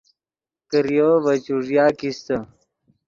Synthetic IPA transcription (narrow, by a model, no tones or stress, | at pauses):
kəɾijoʋət͡ɕuʐjaːkist̪ə